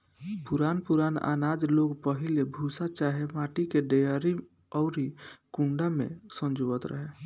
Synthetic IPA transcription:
pʊɾaːnpuɾaːna̰ːnaːd͡ʒloːɡpəɦilebʱusat͡ʃaːɦemaːʈikeɖejəɾi | ɔʊɾikũɳɖamḛ̃sə̃nd͡ʒoət̪ɾə̰ɦe

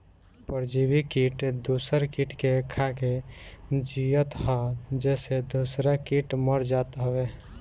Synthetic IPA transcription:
pəɾd͡ʒibikiʈd̪usəɾkiʈkekʰake | d͡ʒijət̪ɦad͡ʒɛːsed̪osɾakiʈməɾd͡ʒat̪ɦəbe

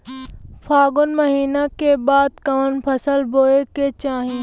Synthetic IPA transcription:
pʰaːɡʊnmɐɦiːnakebaːd̪̚kɐʋənpʰɐsəlboːeket͡ʃãːɦĩː

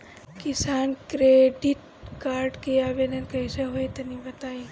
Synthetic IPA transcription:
kɪsaːnkɾeɖiʈ̚ | kaːɾɖkeaːʋed̪ənkəjseɦoet̪ɐnibɐt̪aːi

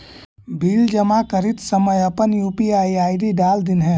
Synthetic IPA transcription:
bʱild͡ʒəmakəɾit̪səməjəpənjuːpiaːiaːɪɖiɖaːld̪inɦɛ̃

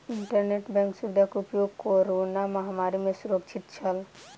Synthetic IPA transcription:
ɪɳʈəɾneːʈbɛ̃ŋksʊʋɪd̪ʱakʊpjoːɡkoːɾoːnamɐɦamaːɾimẽsʊɾək̚t͡ʃʰɪt̪t͡ʃʰɐl

